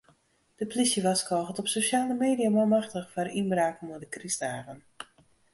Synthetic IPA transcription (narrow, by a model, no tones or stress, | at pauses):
d̥əplisjəʋaskɔːɣətɔpsoʃaːləmeːdijamɔmaxtəxfarinbraːknmodəkristaːɣən